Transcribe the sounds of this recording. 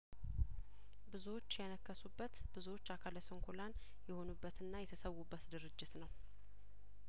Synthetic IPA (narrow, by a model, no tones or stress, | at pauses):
bɨzuwo̞t͡ʃːjənəkːəsubːət̪bɨzuwo̞t͡ʃːakʰaləsəŋkʰolan | jɛho̞nubːət̪ɨnːajɛt̪ʰəsəwːubːət̪d̪ɨɾɨd͡ʒːɪt̪nəw